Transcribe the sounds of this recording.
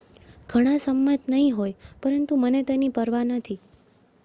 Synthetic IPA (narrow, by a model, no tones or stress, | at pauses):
ɡʱəɽ̃ãsəmːət̪nəɦĩɦojpəɾənt̪umənet̪enipəɾʋanət̪ʰi